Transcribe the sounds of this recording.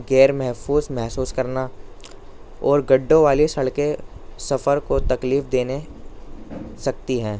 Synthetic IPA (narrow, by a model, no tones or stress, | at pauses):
ɡɛːɾmɛɦfuːzmɛɦsuːskɐɾna | ɔːɾɡɐɖːõʋaːlisɐɭke | sɐfəɾkot̪ɐkliːfd̪eːne | sɐk̚t̪iɦɛ̃ː